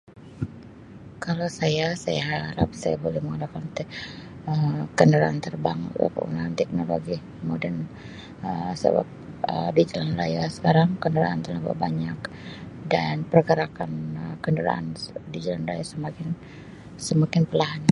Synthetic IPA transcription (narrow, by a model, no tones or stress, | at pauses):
kalosajasajaɦaɾap̚sajabolɛhməŋalakant̪ɛəmkəndəɾaʔant̪ərbaŋ̰kə̰ṵnaant̪ɛk̚noloɡi | modɛn | əsə̰ba̰k̚ | ə̰did͡ʒalanrajasə̥kaɾaŋkəndəɾa̰ʔant̪əlaba̰baɲak | danpərkəɾakanəkəndəɾa̰ʔa̰ndid͡ʒalanra̰jasəmakɪn | səmakɪnpərlaɦana